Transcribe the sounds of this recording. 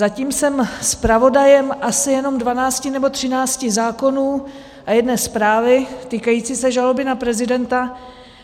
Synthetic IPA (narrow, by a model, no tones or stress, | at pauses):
zaciːmsɛmspɾavo̞dajɛmʔasɪjɛno̞mdvanaːt͡scɪnɛbo̞t̪r̝̥ɪnaːt͡scɪzaːko̞nuː | ʔajɛdnɛːspɾaːvɪt̪iːkajiːt͡siːsɛʒalo̞bɪnapɾɛzɪdɛnt̪a